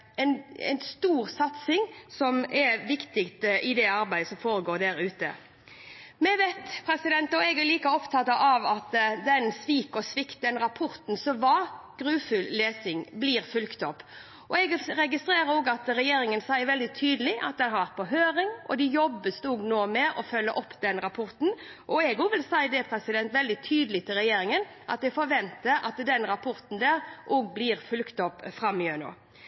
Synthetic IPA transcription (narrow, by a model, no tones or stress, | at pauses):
ɛnɛ̰ɪnst̪uːɾsɑt̪sɪŋsɔmɛɾʋɪkt̪ɪkt̪əʔɪd̪ɛɑɾbæɪd̪əsɔmfoːɾəɡoːd̪æɾʉːt̪ə̰ | mɛʋet̪pʰɾɛsɪd̪ɛnt̪ɔɛɡæɾliːkəɔpt̪ʰɑt̪ɑʔɑʋɑt̪d̪ɛnsʋiːkɔsʋɪkt̪̚d̪ɛnɾɑpʰɔɾt̪n̩sɔʋɑːɡ̥ɾʉːfʉlleːsɪŋbliːɾfʉlkt̪ɔpː | ʔɔɛɡɾɛɡɪst̪ɾeːɾəoːɡɑt̪ɾɛjeːɾɪŋənsæɪəɾʋɛld̪ɪt̪ʰyːd̪əlɪʔɑ̰t̪̚d̪ɛnhɑɾʋæɾt̪̚pʰɔɦøːɾɪŋʔɔ̰d̪ɪjɔbːəst̪oːɡnoːmɛʔɔfœlːəʔɔpːd̪ɛnɾɑpʰɔɾt̪n̩ | ʔɔɛɡɔɡʋɪlsæɪəd̪ɛpʰɾɛsɪd̪ɛnt̪ʋɛld̪ɪt̪ʰyːd̪əlɪt̪ʰɪlɾɛjeːɾɪŋən | ʔɑ̰t̪ɛɡfɔɾʋɛnt̪əɾɑ̰t̪d̪ɛnɾɑpʰɔɾt̪n̩d̪æːɾʔɔɡbliːɾfʉlkt̪ɔpfɾɑmːɪønɔ̰